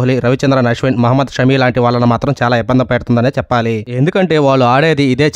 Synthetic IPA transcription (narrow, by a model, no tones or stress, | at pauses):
ɦliɾɐʋit͡ʃɐnd̪ɾanɐʂʋenmɐɦɐmːɐd̪ʃɐmiːlaːɳʈiʋaːɭːɐnɐmaːt̪ɾɐmt͡ʃaːlaːibːɐnd̪ɐmpeʈt̪und̪ɐneːt͡ʃɛpːaːlie̞nd̪ukɐɳʈe̞ːʋaːɭːuaːɽe̞ːd̪iːd̪e̞ːt͡ʃ